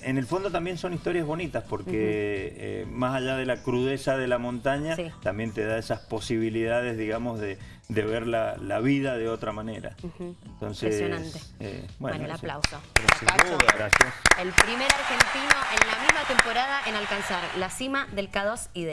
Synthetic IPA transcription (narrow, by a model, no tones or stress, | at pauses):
ene̞lfo̞nd̪o̞t̪ambje̞nso̞nist̪o̞ɾjazβo̞nit̪aspo̞ɾkeḛmasaʒaðe̞lakɾuðe̞saðe̞lamõ̞nt̪aɲast̪ambje̞nt̪eðaesaspo̞siβiliðaðe̞zðiɣamo̞zðe | d̪e̞βeɾlalaβiðaðeo̞t̪ɾamane̞̰ɾa̰ent̪o̞̰nsesonanst̪ḛbwenelaslawsoɾoseaaɣɾasjaselpɾimeɾaɾxent̪inoʔenlamizmat̪empoɾaðaʔenalkansaɾlasimaðelkaðosiðe